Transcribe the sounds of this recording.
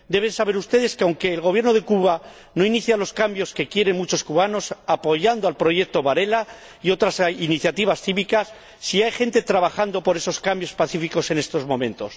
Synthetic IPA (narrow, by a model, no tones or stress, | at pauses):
d̪e̞β̞e̞nsaβe̞ɾust̪e̞ðe̞skeawŋke̞ːlɣo̞β̞je̞ɾno̞ðe̞kuβa | no̞iniθjalo̞skambjo̞ske̞kje̞ɾe̞nmut͡ʃo̞skuβano̞sapo̞ʝand̪oalpɾo̞ʝe̞k̚t̪o̞βaɾe̞la | iot̪ɾasiniθjat̪iβ̞asθiβikasː | iajxe̞nt̪e̞t̪ɾaβaxand̪opo̞ɾe̞so̞skambjo̞spaθifiko̞se̞ne̞st̪o̞zmõ̞mẽ̞nt̪o̞s